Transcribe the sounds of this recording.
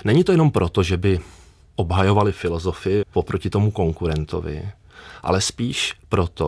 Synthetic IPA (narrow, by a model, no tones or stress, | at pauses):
nɛɲit̪o̞jɛno̞mpɾʔo̞t̪o̞ʒɛbɪ | ʔo̞bɦajo̞valɪfɪlo̞zo̞fɪɪpopɾo̞cɪt̪o̞muko̞ŋkuɾɛnt̪o̞̰vɪ̰ | ʔa̰lɛspiːʃpɾo̞t̪o